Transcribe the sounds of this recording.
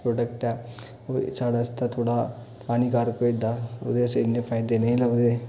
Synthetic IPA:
pɾoːɖəkʈɛ | oːɾsaːɽast̪at̪ʰoːɽa | pʰaːnikaːɾkoɪd̪aʊ̰d̪eseɪnːepʰaːjd̪enɐɦĩlaʊd̪e

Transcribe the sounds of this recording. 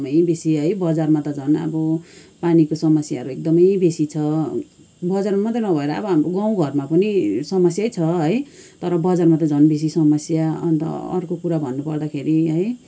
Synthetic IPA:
mʌjbesiɦʌjbʌd͡zarmat̪ʌd͡zʱʌnʌ̰bʌpanikosʌmʌsjaɦʌɾuek̚d̪ʌmʌjbesit͡sʰʌ | bʌd͡zarmamʌt̪rinʌbʱʌeɾʌʌ̰bʌɦamɾoɡaw̃ɡʱʌrmapʌnisʌmʌsjajt͡sʰʌɦʌjt̪ʌɾʌbʌd͡zarmat̪̬ʌd͡zʱʌnbes̬isʌmʌsjaʌ̰nt̪ʌ̰ʌ̰rkokuɾabʱʌnːupʌrd̪akʰeɾiɦʌj

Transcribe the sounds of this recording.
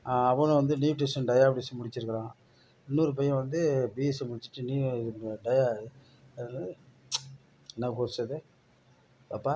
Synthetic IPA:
aɐʋɐnɯ̃ʋɐnd̪ɯnjiːʈ̬eʂɐnɖɐjaːbɽisɯmʊɽɪt͡ʃːɪɾɯkːɪɾãː | ɪnːuːɾɯp̬ɐjːɐ̃ʋɐnd̪ɯbiɛsɯmʊɽɪt͡ʃːɯ̥ʈːɯniːɖɐja | nɐːkoɾsɐðɯ | apːaː

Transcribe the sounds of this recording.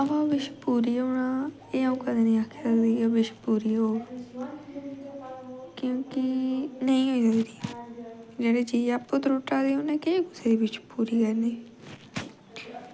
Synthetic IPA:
əʋãʋɪʃpuːɾiːɦoːɽaː | eãũːkəd̪eːnĩːaːkʰeːsəkd̪iːɛːbɪʃpuːɾiːɦoː | kjõːkɪnəĩːɦoːiːsəkd̪iːɛ | d͡ʒeːɽeːd͡ʒiːaːpːot̪ɾoːʈaːd̪eːɦoːnɛ̃ːkeiːkʊseːd̪iːbɪt͡ʃpuːɾiːkɛɾneː

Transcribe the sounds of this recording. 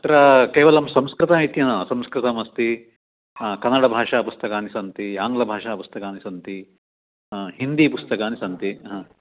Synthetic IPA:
ɐt̪ɾɐkeːʋɐlɐmsɐmskɾɨt̪ɐmijt̪jɐnɐsɐmskɾɨt̪ɐmɐst̪i | kɐnːɐɽɐbʱaːʂaːpust̪ɐkaːnisɐnt̪iaːŋɡlɐbʱaːʂaːpust̪ɐkaːnisɐnt̪i | ɦind̪ipust̪ɐkaːnisɐnt̪iɦɐ

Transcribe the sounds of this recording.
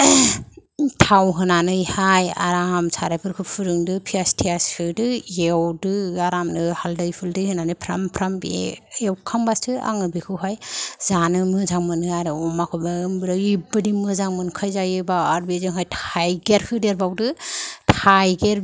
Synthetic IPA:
tʰawɦɯnanɯjhaja̰ɾaamsʰaɾapʰɯɾkʰɯpʰuɾɯŋdɯpʰiastʰiaskʰɯdɯjewdɯaɾamdɯhaldɯjpʰɯldɯjhɯnanɯjpʰɾampʰɾambḛewkʰambastʰɯa̰ŋɯbikʰɯwɦajzanɯmɯzaŋmɯnɯaɾɯɔmakʰɯbambɯɾaibɯdimɯzaŋmɯnkʰajzajɯbaaɾbizɯŋɦajtʰajɡeɾkʰɯdeɾbawdɯtʰajɡeɾ

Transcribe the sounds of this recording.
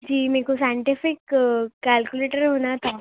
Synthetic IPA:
d͡ʑimikosaiɳʈifikːælkjuleʈəɾɦonat̪ʰa

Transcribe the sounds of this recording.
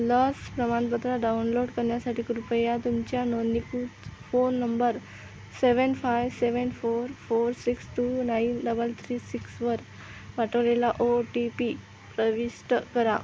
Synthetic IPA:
ləspɾəmanpət̪ɾaɖaunloɽkəɾɳjasaʈiːkɾupəjat̪umt͡ɕjanonikufonːəmbəɾ | seʋənfajʋseʋənfoɾfoɾsiksʈunainɖəbəlt̪ʰɾiːsiksʋəɾ | ʋaʈʰəʋlelaʔoʈipi | pɾəʋisʈkəɾa̰

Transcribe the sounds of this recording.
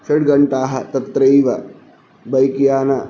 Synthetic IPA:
ʃɐɽɡɐɳʈaːɦɐt̪ɐt̪ɾɐjʋɐ | bɐjkjaːnɐ

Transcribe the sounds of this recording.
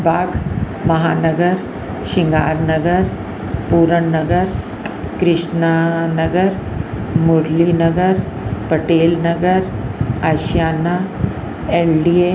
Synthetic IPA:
bʱaːɡ | mɐɦaːnəɡəɾ | ʃɪ̃ŋɡaːɾnəɡəɾ | puːɾəɳːɐɡəɾ | kɾɪʃnanəɡəɾmʊɾlinəɡəɾ | pəʈeːlnɐɡəɾaʃjaːna | elɖie

